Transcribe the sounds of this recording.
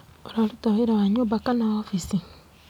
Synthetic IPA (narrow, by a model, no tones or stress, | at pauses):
oɾalutawiɾawaɲobakanawafisi